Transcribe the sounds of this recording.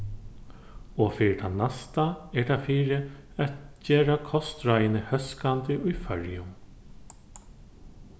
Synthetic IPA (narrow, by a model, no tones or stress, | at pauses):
ɔfɪːɾɪt̪ʰanast̪aɛɖafiːɾɪ | æt̪d͡ʒeːɾakʰɔst̪ɾajnɪhœskant̪ɪʔʊjfœɹjʊm